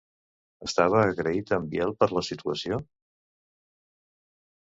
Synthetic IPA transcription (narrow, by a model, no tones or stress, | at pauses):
əst̪aβ̞əːɣɾəit̪əmbjɛlˠpəɾləsit̪uəsio